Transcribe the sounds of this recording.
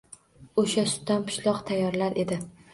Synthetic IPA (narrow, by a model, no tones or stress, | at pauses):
oʃasʊ̥t̪ːanpʰʊ̥ʃlˠɒqt̪ʰajːɒɾlaɾʔe̞d̪ɪ